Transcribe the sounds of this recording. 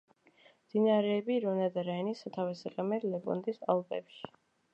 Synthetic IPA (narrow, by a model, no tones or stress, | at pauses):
md̪̥inaɾɛːbiɾɔnad̪aɾainisat̪ʰavɛsɛqʼɛmɛɾlɛbɔ̰nd̪ʼisa̰lˠpʼɛ̰pʃi̥